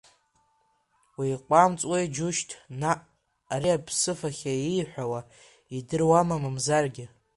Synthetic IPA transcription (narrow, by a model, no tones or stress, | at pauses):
wijqʷʼamt͡sʼwajd͡ʒʊʃtʰnaʔː | ɾiapʰsɨfaχʲaijħʷᶣawa | idɨrwamamamzarɡʲɪ